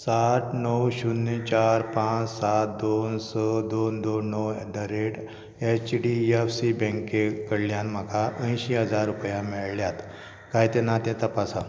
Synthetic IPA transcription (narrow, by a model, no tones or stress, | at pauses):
sat̪nəwɕunːit͡ɕaɾpãt͡ssat̪̚d̪onsəd̪ond̪onːəwɛɖəɾeʈ | et͡ɕɖiefsibɛ̃ŋkekəɽljanm̤akaʔə̃j̃ɕiɦəd͡zaɾːupjãmiɭljat̪ | kajt̪ẽnat̪ẽt̪əpasa